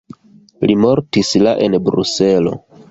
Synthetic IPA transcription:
limo̞ɾtislaʔe̞nbɾṵse̞lo̞̰

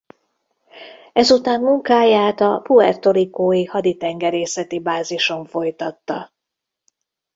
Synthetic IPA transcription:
ɛzut̪aːmmuŋkaːjaːt̪ɒpuɛrt̪o̞likoːjihɒd̪it̪ɛŋɡɛɾeːsɛt̪ibaːziʃo̞ɱfo̞jt̪ɒt̪ːɒ

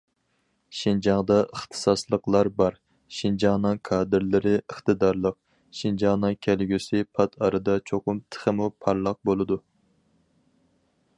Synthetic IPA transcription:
ʃind͡ʒɑŋd̪ɑʔəχt̪ʰɨ̥sɑslˠəqlˠɑɾbɑɾ | ʃind͡ʒɑŋnɨŋkʰɑːd̪ɨɾlɪɾɪʔəχt̪ɨd̪ɑɾlˠəq̚ | ʃind͡ʒɑnɨŋkʲʰælɡʲysɪpʰɑt̪ʰɑɾɨd̪ɑt͡ʃʰoqʊmt̪ʰə̥χəmupʰɑɾlˠɑq̚bolˠɨd̪u

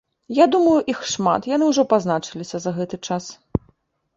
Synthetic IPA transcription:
jad̪umɐjuʔixʂma̰t̪jan̪ɨuʐɔpaznat͡ʂɨlʲisʲɐzɐɣɛt̪ɨt͡ʂas

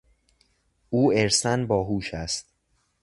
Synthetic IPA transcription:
uːeɾsænbɒːɦuːʃæst̪̚

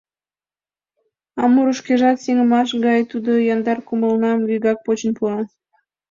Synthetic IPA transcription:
ɑmuɾuʃkeʒɑt̪seŋəmɑʃ̬ɡɑjt̪ud̪ojɑnd̪ɑrkuməlnɑmɡyɡɑk̚pot͡ɕənpuɑ

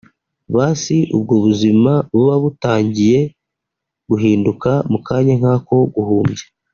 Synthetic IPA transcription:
βaːsiʔubɡoβuzimaβuβaβutaːɲɟije̞ | ɡ̥uɦiːndukamukaːɲaŋ̥haːko̞ɡuhuːmɟe̥

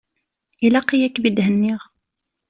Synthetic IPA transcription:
ʔilæqijækbid̪ɦənːiʁ

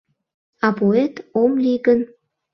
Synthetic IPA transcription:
ɑpoet̪omliɡən

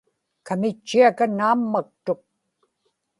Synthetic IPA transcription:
kamɪt͡ʃːiakanaːmːak̚t̪oq̚

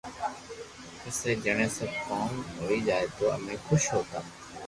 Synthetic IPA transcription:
ɪseːd͡ʒəɳ̃ẽːsəbkaːnɦoːiːd͡ʒaːeːt̪oːə̰mẽːxʰʊʃɦoːt̪aː

